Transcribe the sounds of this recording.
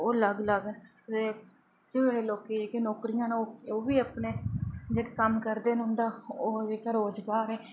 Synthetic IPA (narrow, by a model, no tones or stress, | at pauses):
oːləɡləɡ | e | d͡ʒeeːɽeːloːkeːeːkeːnoːkɾɪjãːnoːoːʋiːəpneːd͡ʒeːkekəmkəɾd̪eːnɦʊ̃nd̪aːoːd͡ʒeːkaːɾoːzɡaːɾeː